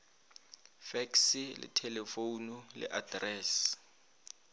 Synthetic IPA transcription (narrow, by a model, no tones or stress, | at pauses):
fɛksilɪ̰tʰɛlɛfonulɛ̰ʔadrɛːs